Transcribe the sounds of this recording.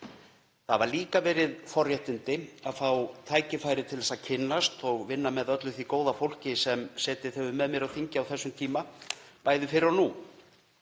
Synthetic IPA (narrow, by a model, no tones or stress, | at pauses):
θavaɾliːkavɛːɾɪðfɔrjɛht̪ɪnt̪ɪaðfawt̪ʰaːjcɪfaːjɾɪt̪ʰɪlðɛsaðcʰɪnːast̪ɔɣvɪnːamɛðœt̪lʏθvikoːwðafowl̥cɪsɛmsɛːt̪ɪ̥θœɥʏmːɛðmjɛɾawθiɲcɪawθɛsːʏmt̪ʰiːmapaːjðɪfɪɾɪɾanu